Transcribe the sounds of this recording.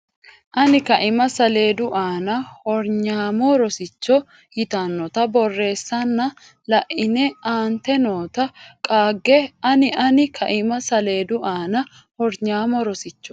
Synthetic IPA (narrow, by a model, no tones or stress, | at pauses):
ʔɐnɪkɐʔɪmɐsɐle̞ːd̪ʊʔaːnɐhɔɾɲaːmɔɾɔsɪt͡ʃːɔ | jɪt̪ɐnːɔt̪ɐbɔrːe̞ːsːɐnːɐ | lɐʔɪnɛʔaːnt̪ɛnoːt̪ɐkʼaːɡːɛɐnɪʔɐnɪkʰɐʔɪmɐsɐle̞ːd̪ʊʔaːnɐ | hɔɾɲaːmɔɾɔsɪt͡ʃːɔ̥